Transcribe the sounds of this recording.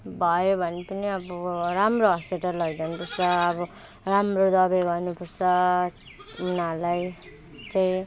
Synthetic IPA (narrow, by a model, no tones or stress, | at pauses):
bʱʌjobʱʌnepʌniʌbʌɾamroɦʌspeʈʌɾlːʌɡd̪ʌnupʌrt͡sʰʌːbʌ | ramrod̪ʌbeɡʌrnupʌrt͡sʰʌ | unalaj | t͡saĩ